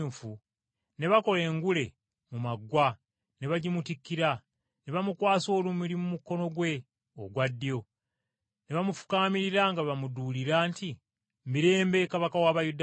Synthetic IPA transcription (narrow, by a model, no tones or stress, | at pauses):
fu | ne̞βako̞le̞ːŋɡule̞ | mumaɡwa | ne̞βaɟimutikːiɾa | ne̞βamukwaːso̞ːlumilimumuko̞no̞ɡwe̞ | o̰ɡwadːjo̞ | ne̞βamufu̥kaːmiɾiɾaŋɡaβamuduːliɾaːnti | miɾe̞ːmbe̞kaβakawaβajud